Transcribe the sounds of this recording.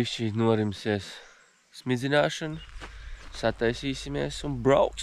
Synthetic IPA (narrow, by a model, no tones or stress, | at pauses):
isʃiːnuɔɾimsiɛsː | mid̪zinaːʃan | sat̪ajsiːsimḛːsunbɾawk